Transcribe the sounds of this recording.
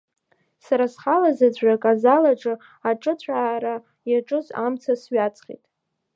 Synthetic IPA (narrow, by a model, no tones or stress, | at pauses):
saɾasχalazad͡zʷakʼazalaʈ͡ʂʼɨ | aʈ͡ʂʼɨt͡sʷʰaːɾa | jaʈ͡ʂʼɨza̰mt͡sʰasɥat͡sʰʼχḭtʼ